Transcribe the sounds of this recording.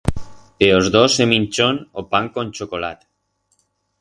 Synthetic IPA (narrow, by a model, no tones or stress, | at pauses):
eozðoseminʲt͡ʃonopaŋkonʲt͡ʃokola̰t̪